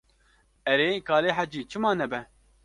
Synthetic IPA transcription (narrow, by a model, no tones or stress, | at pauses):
ɛɾeːkɑːleːħad͡ʒiːt͡ʃʰɨmɑːnɛbɛ